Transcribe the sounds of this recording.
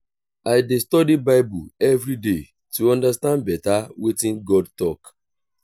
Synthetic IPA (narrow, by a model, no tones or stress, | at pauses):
aɪdestɔdibaɪbuɛvɾide | tuɔ̃ndastãndbɛtawetĩnɡɔd̚tɔk